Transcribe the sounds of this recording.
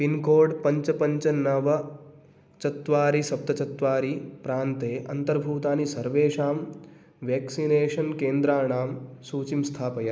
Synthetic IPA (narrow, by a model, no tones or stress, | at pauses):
pinkoːɖpɐɲt͡ʃɐpɐɲt͡ʃɐnɐʋɐ | t͡ʃɐt̪ʋaːɾisɐp̚t̪ɐt͡ʃɐt̪ʋaːɾipɾaːnt̪eːʔɐ̰nt̪ɐɾbʱuːt̪aːnisɐɾʋeːʃaːm | ʋjeːksineːʃɐnkeːnd̪ɾaːɳaːmsuːt͡ʃimst̪ʰaːpɐjɐ